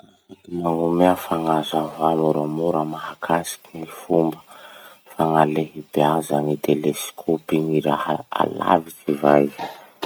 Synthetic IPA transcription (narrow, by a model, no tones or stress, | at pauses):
maŋumeafaŋazavamuɾamuɾəmaɦakʰasi̥kʲinifumbə | faŋaleɦibeazanit̪eleskʰopiŋiɾahaa̰la̰vit͡ʃivaj